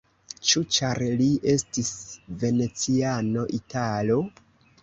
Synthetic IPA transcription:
t͡ʃut͡ʃaɾliʔe̞stisve̞ne̞t͡siano̞ʔitalo̞

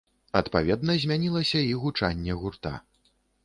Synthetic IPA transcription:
ɐt̪pavʲɛd̪nɐzʲmʲanʲilˠɐsʲɐiɣut͡ʂanʲːɛɣurt̪a̰

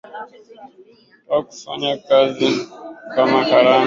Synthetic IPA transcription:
aku̥fa̰ːɲakaːzikamahaɾaːn

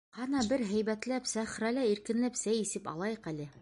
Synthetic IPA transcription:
hɑnɑbɘɾɦæ̆jβæt̪læpsæχɾælæiɾkɘ̆nlæpsæjisɘpɑ̰lˠɑjɤqælɘ

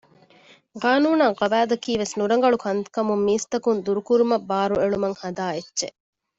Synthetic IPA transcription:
qaːnuːnɐŋqɐbæːd̪ɐkiːʋesnuɾɐŋɡɐɭukʰɐnt̪kɐmumːiːst̪ɐkund̪uɾukuɾumɐbːaːɾueɭumɐŋhɐd̪aːetːʃe

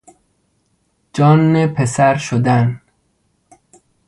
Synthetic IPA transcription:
d͡ʒɒːnːepʰesæɾʃod̪æn

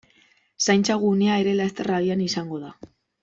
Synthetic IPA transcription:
sajnt͡saɣuneae̞ɾe̞laest̪eraβianisaŋɡo̞ð̞a

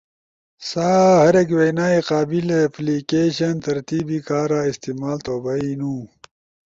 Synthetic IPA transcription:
saːhɐɾekwenaːiqaːbileplikeːɕɐnt̪ɐɾt̪iːbikaːɾaːist̪iːmaːlt̪oːbɐinũː

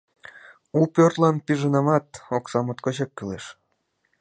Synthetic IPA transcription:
upʲørt̪lɑnpiʒɤnɑmɑt̪̚oksɑmot̪koɕɑkːɯleʃ

